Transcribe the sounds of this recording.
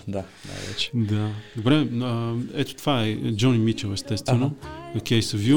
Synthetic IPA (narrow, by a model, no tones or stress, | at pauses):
d̪a | na̰jvɛ̰t͡ʃd̪ad̪obɾɛəɛt̪ʊ̥t̪ovaɛd͡ʒɔnimit͡ʃɛlɛst̪ɛst̪ɛnoɐkʲɛst̪ovi